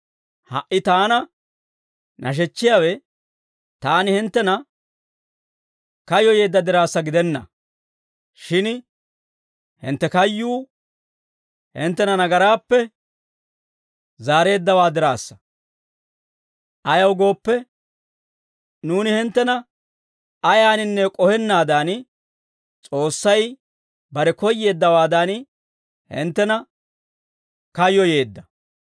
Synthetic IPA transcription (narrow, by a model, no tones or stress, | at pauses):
hɐ̰ʔːɪt̪aːnɐ | nʔɐ̰ʃ̬ɛt͡ʃːɪjaːwɛ | t̪aːnɪhɪnt̪ːɛnɐ | kɐjɔje̞ːd̪ːɐd̪ɪɾaːsːɐɡɪd̪ɛnːɐ̰ | ʃɪn | hɪ̰nt̪ːɛkɐjːuː | hɪ̰nt̪ːɛnɐnɐɡɐɾaːpːɛ | zaːɾe̞ːd̪ːɐwaːd̪ɪɾa̰ːsːɐ̥ | ʔɐjɐwɡo̞ːpːɛ | nuːnɪhɪnt̪ːɛnɐ | ɐjaːnɪnːɛkʼɔhɛnːaːd̪aːn | t͡sʼo̞ːsːɐj | bɐɾɛkɔjːe̞ːd̪ːɐwaːd̪an | hɪ̰nt̪ːɛnɐ | kɐjːɔje̞ːd̪ːɐ